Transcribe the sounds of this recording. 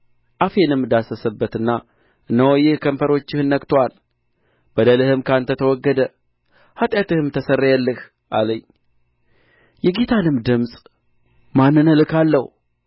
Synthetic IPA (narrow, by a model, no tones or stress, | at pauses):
ʔafe̞nɨmːɨd̪asəsəbːət̪ɨnːa | ʔɨnːəwɔjɪhkʰəmfəɾo̞t͡ʃːɪhɨnːəkt̪ʰowal | b̥əd̪əlɨhɨmkʰant̪ʰət̪ʰəwɔɡːəd̪ə | hat̪ʼjat̪ɨhɨmt̪ʰəsərːajalːɨh | ʔa̰ləɲː | jɛɡet̪ʰanɨmd̪ɨmsʼ | manːɨnəlɨkʰalːəh